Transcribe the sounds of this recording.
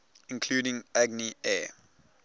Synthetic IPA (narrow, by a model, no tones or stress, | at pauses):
ɪ̃nkʰl̥uːɾɪ̃ŋæɡniɛː